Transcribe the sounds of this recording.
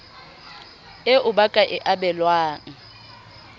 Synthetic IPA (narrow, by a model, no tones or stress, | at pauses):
eʔʊbakʼaʔɪʔabɛlwaːŋ̩